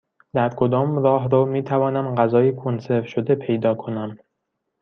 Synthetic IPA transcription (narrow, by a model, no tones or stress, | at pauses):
d̪̥æɾkʰo̞d̪ɒːmɾɒːɦɾɒːmiːt̪ʰævɒːnæmɢæzɒːjikʰonseɾfʃod̪epʰe̞jd̪ɒːkʰo̞næm